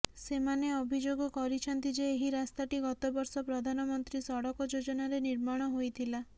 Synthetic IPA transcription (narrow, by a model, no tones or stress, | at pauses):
semaneɔbʱid͡ʒoɡɔkɔɾit͡ʃʰɔnt̪id͡ʒeːɦiɾast̪aʈiɡɔt̪obɔɾsɔpɾɔd̪ʱanɔmɔnt̪ɾisɔɽɔkɔd͡ʒod͡ʒɔnaɾeniɾmaɽ̃ɔɦojt̪ʰila